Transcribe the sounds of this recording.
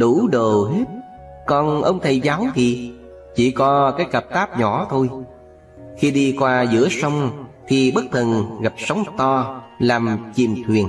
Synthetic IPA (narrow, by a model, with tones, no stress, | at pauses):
ɗu˧˥ɗo˨˩ɦe˦˥t̚ | kɔ˨˩nʔə˧wŋ͡mt̪ʰə˨˩jzaː˨˦wt̪ʰi˨˩ | t͡ɕi˧˩kɔ˨˦kaː˨˦jkə˨˩p̚t̪aː˦˥p̚ɲɔ̰˧˩˦t̪ʰo˧j | xi˧ɗi˧kwaː˧zɨ̰˧˥əsə˧wŋ͡mt̪ʰi˨˩ɓə˦˥k̚t̪ʰə˨˩nɣa˨˩p̚sə˨˦wŋ͡mt̪ɔ˧laː˨˩mt͡ɕi˨˩mt̪ʰwi˨˩ən